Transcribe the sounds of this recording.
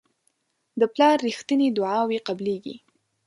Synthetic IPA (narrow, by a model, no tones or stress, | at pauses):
d̪əplɑɾːixt̪ənid̪ʊʕɑweqableɡḭ